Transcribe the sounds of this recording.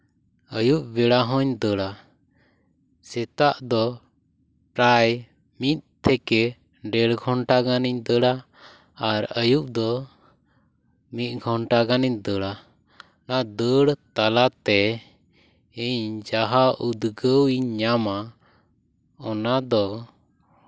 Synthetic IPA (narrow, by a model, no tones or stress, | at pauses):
əjuʔbɛɽaɦɔ̃ɲd̪əɽa | sɛt̪aʔd̪ɔ | pɾaj | mit̪̚ˀt̪ʰɛkɛ | ɖɛɽɡʱɔɳʈaɡaniɲd̪əɽaː | ɾəjuʔd̪ɔ | mit̪̚ˀɡʱɔɳʈaɡaniɲd̪əɽa | nad̪əɽt̪alat̪ɛ | iɲd͡ʒaɦaʔud̪ɡəwiɲɲama | ɔnad̪ɔ